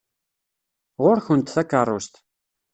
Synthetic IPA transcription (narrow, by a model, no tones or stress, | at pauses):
ʁʊɾxʊnt̪θækarˤʊst̪